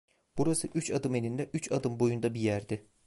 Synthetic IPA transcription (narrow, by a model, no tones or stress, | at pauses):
b̥uɾasɯʔyt͡ʃad̪ɯme̞nind̪ɛʔyt͡ʃʰad̪ɯmbo̞jund̪abijæɾd̪ɪ